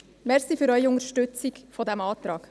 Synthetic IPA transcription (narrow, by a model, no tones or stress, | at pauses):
mɛrsiːfyɾœɥiʊŋəɾʃtʏt͡sikfɔd̪æmɑːt̪ɾɑːk